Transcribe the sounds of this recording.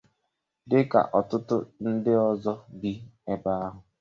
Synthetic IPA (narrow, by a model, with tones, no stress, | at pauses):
dɪ˦ka̰˨ʔɔ˨tʊ˦tʊ̰˦n̩˦dɪ˦ɔ˦zɔ˦ɡi˦e˦ba˦a˦ɦʊ˨